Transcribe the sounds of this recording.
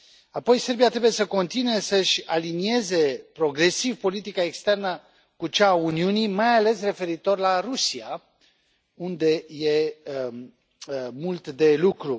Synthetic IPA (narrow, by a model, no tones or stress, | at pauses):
apo̞jse̞rbiat̪ɾe̞buje̞səko̞nt̪inue̞səʃʲalinie̞ze̞pɾo̞ɡɾe̞sivpo̞lit̪ikaekst̪e̞rnə | kut͡ʃauniunimajale̞sre̞fe̞ɾit̪o̞rlaɾusia | und̪e̞je̞ | mult̪d̪e̞lukɾu